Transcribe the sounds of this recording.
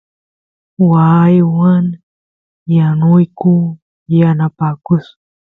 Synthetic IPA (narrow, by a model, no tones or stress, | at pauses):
wajwaŋ | janʊjku | janapaːkʊs